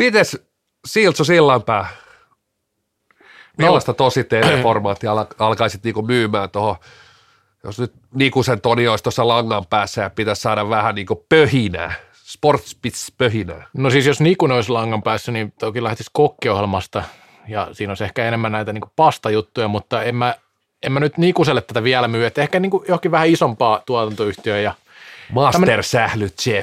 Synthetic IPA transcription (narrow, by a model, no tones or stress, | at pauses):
pit̪æs | siːlt̪sosilːɑmpæː | milːɑst̪ɑt̪osit̪ːeːreformɑːt̪ːiɑlɑɑlkɑisit̪niːŋkumyːmæːnt̪oho | jo̰snyt̪ | nikusent̪onioist̪osːɑlɑŋːɑmpæːsːæjɑpit̪æssɑːɾɑʋʋæhæniːŋkopøhinæ̰ː | sport̪spit̪spøhinæ̰ːnosiːsjosnikuneoislɑŋːɑmpæːsːænint̪okilæht̪iskokːiohelmɑst̪ɑ | jɑ̰siːnolisehkæenemːænnæit̪æniːŋku̥pɑst̪ɑjut̪ːujɑmut̪ːɑemːæ | emmænyt̪nikuselːet̪t̪ːæt̪æʋiælæmyːet̪ːehkæniːŋkujohkiʋʋæhæisompɑːt̪uɑt̪ɑnt̪oyht̪iøjɑ | mɑsæmt̪ersæhlyt̪t͡ʃe